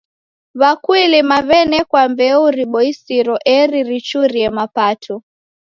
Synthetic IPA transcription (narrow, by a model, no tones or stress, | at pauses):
βakwilimaβɛnɛkwambɛuɾiɓɔisiɾɔʔɛɾiɾit͡ʃuɾiɛmapatʰɔ